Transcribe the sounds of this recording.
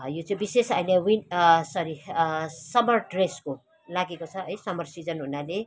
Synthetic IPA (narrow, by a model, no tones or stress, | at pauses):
jot͡sʌĩbisesʌjnewinsʌɾi | sʌmʌrɖresko | laɡekot͡sʰʌʌjsʌmʌrsid͡zʌnɦunale